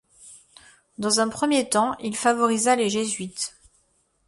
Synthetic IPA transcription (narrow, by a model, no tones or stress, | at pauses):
d̪ɑ̃zɛ̃pχəmjet̪ɑ̃ʔilfavɔʁizaleʒezɥit̪